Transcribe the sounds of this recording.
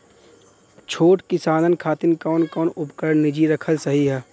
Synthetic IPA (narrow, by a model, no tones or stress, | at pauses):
t͡ʃʰoːʈkɪsaːnənkʰaːt̪ɪnkɔːnkɔːnʊpkəɾnɪd͡ʒiɾɐkʰəlsɐɦiɦɛː